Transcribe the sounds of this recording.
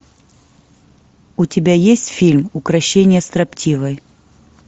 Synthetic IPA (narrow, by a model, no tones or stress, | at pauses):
ʊtʲɪbʲajesʲtʲfʲilʲmʊkɾɐɕːenʲɪjəst̪ɾɐptʲivəj